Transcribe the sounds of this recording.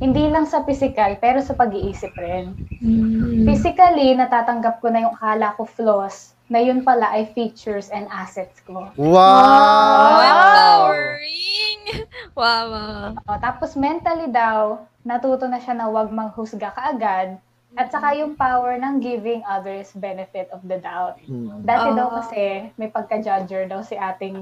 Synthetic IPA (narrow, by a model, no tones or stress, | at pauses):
hɪnd̪iːlɐŋsɐfisɪkɐlpɛːɾosɐpɐɡɪʔiːsɪp̚ɾɛn | fisɪkɐlinɐt̪aːt̪ɐŋɡɐp̚konɐjʊŋʔɐkaːlɐkoflos | nɐjʊnpɐlaʔɐjfiːt͡ʃʊɹsɛnd̪ʔaːsɛt̪̚skoa | ɪŋwaoʔot̪aːposmɛnt̪ɐlid̪ɐw | nɐt̪uːt̪onɐʃanɐwɐɡ̚mɐɡhʊsɡakɐʔɐɡad̪̚ | ʔɐt̪̚sɐkajʊŋpawɛɹnɐŋɡɪvɪŋʔɐd̪ɛɹsbɛnɛfɪt̪ɔfd̪ɐd̪awt̪̚d̪aːt̪ɛd̪ɐwkɐsɛmɐjpɐɡ̚kɐd͡ʒad͡ʒɛɹd̪ɐwsɪʔaːt̪ɪŋ